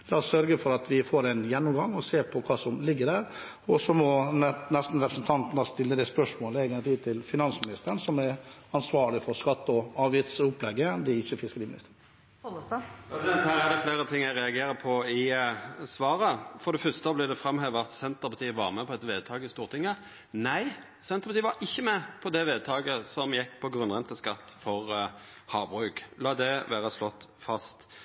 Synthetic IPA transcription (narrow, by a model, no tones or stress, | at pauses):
lɑːɔsœɾɡəfɔɾɑt̪ʋɪfoːɾɛnjɛnːɔmɡɑŋːɔseːpʰɔkʰɑːsɔmlɪɡːəd̪æːɾ | ɔsɔmɔnnɛst̪n̩ɾɛpɾəsn̩t̪ʰɑnt̪nɑst̪ɪlːəd̪ɛspœʂmoːlɛɡənət̪ʰiːd̪̚t̪ʰɪlfɪnɑnsmɪnɪst̪əɾənsɔmɛɾɑnsʋɑːɾlɪfɔɾskɑt̪ːɔɑːʋjɪt̪sʊplɛɡːəd̪ɛɪçːəfɪskəɾiːmɪnɪst̪əɾ | ɾɛsɪd̪ɛnt̪hæːɾæd̪ɛfleːɾət̪ʰɪŋːæɪɾɛɑɡeːɾəpʰɔɪsʋɑːɾəfɔd̪ɛfœst̪əblɪːd̪ɛfɾɑmheːʋəʁɑt̪sɛnt̪əʁpɑt̪ʰiːəʋɑʁmɛpʰɔɛt̪ʋeːd̪̚t̪ʰɑːɡəɪst̪uːʁt̪ʰɪŋːə | næɪ | sɛnt̪əpɑt̪iːəʋɑɾɪçːəmɛpʰɔd̪ɛʋeːd̪̚t̪ʰɑːɡəsɔmjɛkːpʰɔɡɾʉnʁɛnt̪əskɑt̪ːfɔʁhɑːbʁʉːklɑːd̪ɛʋæːɾəslɔt̪ːfɑst̪